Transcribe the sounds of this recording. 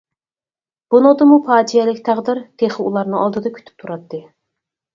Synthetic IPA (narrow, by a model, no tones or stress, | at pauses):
b̥unɨŋd̪ɨmupʰɑːd̪ijɛlɪkʲt̪ʰɑʁd̪ɨɾt̪ʰeχɪulˠɑɾnɨŋɑlˠd̪ɨd̪ɑkʲʰy̥t̪ʰy̥p̚t̪ʰuɾɑt̪ːɨ